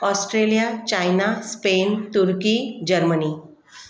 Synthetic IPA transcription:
ɔsʈɾelijat͡ɕajnaspent̪uɾkiːd͡ʑəɾməni

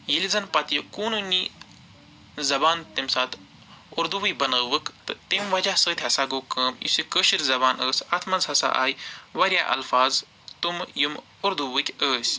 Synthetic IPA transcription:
jilizɐnpɐt̪jukuːnuni | zɐbaːnt̪imsaːt̪ʰ | uɾd̪uʋɨjbɐnəːʋɨkt̪ɨt̪imʋɐd͡ʒʲaːsəːt̪ʰʲɦɐsaːɡoːkəːmjḭsikəːʃiɾʲzɐbaːnəːsɐt̪ʰmɐnzhɐsa̰ːʔa̰ːjiʋɐɾʲja̰ːʔɐ̰lfaːz | t̪umjim | uɾd̪uʋɨkʲəːsʲ

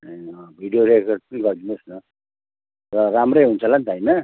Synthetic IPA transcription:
ʌjnʌbʱiɽijoɾekʌrɖ̚pʌniɡʌrd̪inosnʌ | rʌramrʌjɦunt͡sʰʌlant̪ʌɦjnʌ

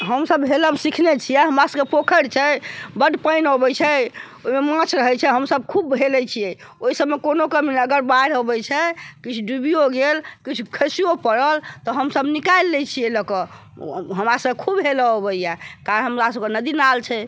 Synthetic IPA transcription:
ɦəmsəbɦeləbsikʰnet͡ʃʰijɛɦəmɾasəmkepokʰəɽt͡ʃʰɛbəɖpəjnɦobɛt͡ʃʰɛ | oɦimemãt͡ʃʰɾəɦɛt͡ʃʰɛɦəmsəb̚kʰubɦelɛt͡ʃʰijɛ | oisəbmekonokəminəɡəɾbaɾɦobɛt͡ʃʰɛkit͡ʃʰuɖubijoɡelkit͡ʃʰukʰəsijopəɾəlt̪ɔɦəmsəbnikajlːɛt͡ʃʰijɛləkɔ | ɦəmɾasəekʰubɦelɦobəijɛkaɦəmɾasəb̚kenəd̪inalt͡ʃʰɛ

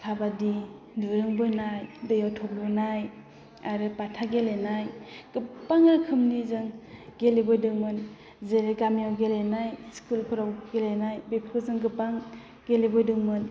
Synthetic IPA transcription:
kʰabadi | nduɾɯŋbɔjnajdɯjawtʰɔp̚lɔnaj | aɾɯpatʰaɡelenajɡ̥ɯpaŋɯkʰɯmnizɯŋɡelibɔjdɯŋmɯn | zeɾeɡamijawɡelenajskulpʰɯɾawɡelenajbepʰkɯzɯŋɡɯpaŋ | ɡelibɔjdɯŋmɯn

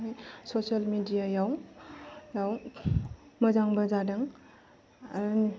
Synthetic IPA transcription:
jsosalmidijajaw | jaw | mɐzaŋbazadɐŋ

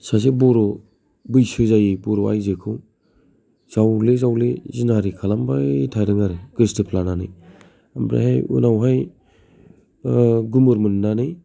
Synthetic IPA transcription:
sazebɔɾɔ | bɯjsɯzajɯbɔɾɔa̰jzekʰɯw | z̥awlezawlezinaɾikʰalambajtʰajɾɯŋaɾɯɡɾistɯpʰlananɯj | ambɾa̰ɦajṵnawɦaj | ɡumɯɾmɯnnanɯj

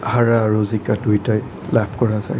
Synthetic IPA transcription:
haɹaːɹuzikadujtaj | lapʰkɔɹasa̰

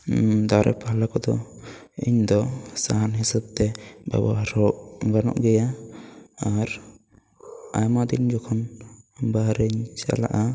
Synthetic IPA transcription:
d̪aɾɛ̰phalakɔd̪ɔ̰ | ḭɲd̪ɔsaɦanɦisab̚t̪ɛba̰bɔ̰ɦaɾɔʔɡanɔ̰ʔɡɛja | aɾ | a̰jmad̪iɲd͡ʒɔkʰɔnbaɦɾɛɲsa̰la̰ʔa

